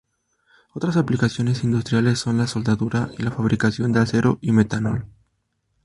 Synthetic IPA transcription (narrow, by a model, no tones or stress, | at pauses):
o̞t̪ɾasaplikasjo̞ne̞sind̪ust̪ɾjalesːo̞nlaso̞ld̪aðuɾaʔilafaβ̞ɾʔikasjo̞nd̪ease̞ɾoʔimet̪anol